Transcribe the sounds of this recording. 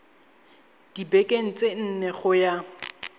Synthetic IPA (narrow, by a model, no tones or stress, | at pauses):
d̥ibɛkʼen̩t͡sʼen̩nɛɣʊja